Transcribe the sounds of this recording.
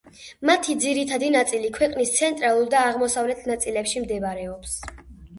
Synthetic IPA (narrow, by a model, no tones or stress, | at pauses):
mat̪ʰid̪ziɾit̪ʰad̪inat̪sʼilikʰwɛqʼnist̪sʰɛnt̪ʼɾalˠuɾd̪aːʁmɔsavlɛt̪ʰnat̪sʼilɛpʃimd̪ɛvaɾɛɔps